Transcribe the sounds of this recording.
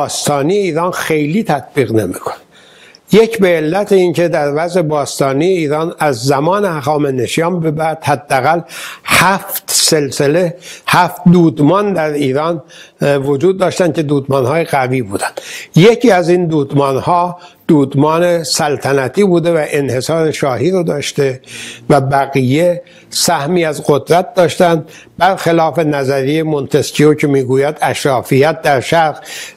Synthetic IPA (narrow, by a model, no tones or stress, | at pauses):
bɒːst̪ɒːnijeiːɾɒːnxe̞jliːt̪ʰæt̪̚ʰb̥iːɣne̞mḭkʰo̥ned̪ | je̞cʰbe̞ːlːæt̪ʰeiːŋce̞d̪æɾvæzʔe̞bɒːst̪ɒːnijeiːɾɒːnæzːæmɒːnehæχɒːmeneʃjɒːmbebæɾd̪̥hæd̪ːeæɣælhæft̪selsele̞hæft̪d̪uːd̪mɒːnd̪æɾiːɾɒːnvod͡ʒuːd̪̚ːɒːʃt̪æncʰe̞d̪uːd̪mɒːnhɒːjeɣæviːbṵːd̪ænd̪̥jecʰiːæzind̪uːd̪mɒːnhɒːd̪̥uːd̪mɒːnesælt̪ʰænæt̪ʰiːbuːd̪e̞væʔenhe̞sɒːɾe̞ʃɒːhiːɾod̪ɒːʃt̪e̞væbæɣije̞ | sæhmiːæzɢo̞d̪ɾæt̪̚d̪ɒːʃt̪ænd̪ | bæɾxelɒːfe̞næzæɾijemo̞nt̪ʰescʰiocʰe̞miːɡuːjæd̪æʃɾɒːfijæt̪̚d̪æɾʃæɾɣ